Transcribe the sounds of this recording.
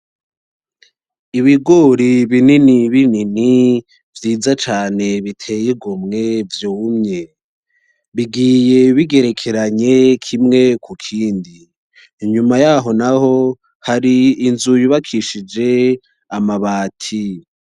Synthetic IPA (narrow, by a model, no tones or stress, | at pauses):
iβiɡo̞ɾiβininiβinini | vjiːd͡zat͡ʃaːne̞βitʰe̞jiɡomŋe̞vjuːmɲe̞ | βiɡije̞βiɡe̞ɾe̞kʰe̞ɾaɲe̞kʰimŋe̞kʰukʰiːndiː | ɲumajaːɦo̞naho̞ | haɾiːnzujuβakʰiʃid͡ʒe̞ | amaβaːtʰi